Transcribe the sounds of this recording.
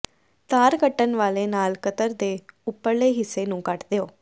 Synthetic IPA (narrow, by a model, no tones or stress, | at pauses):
t̪aːɾɡəʈːənʋaːleːnaːlkət̪əɾd̪eːʊpːəɾleːɦɪsːeːnũːkəʈd̪eːoː